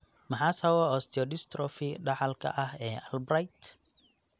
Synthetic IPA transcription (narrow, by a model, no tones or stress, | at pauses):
mɐħaːsɐwɔɔːst̪ʰɪɔɖɪst̪rɔfɪɖɑħɑlkʰɐ̰ʔɐhɛːɐlbrajt̪